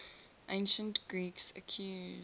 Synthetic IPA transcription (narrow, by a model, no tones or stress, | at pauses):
ʔẽɪ̃nʃə̃ntɡ̥ɹiksə̰kʰju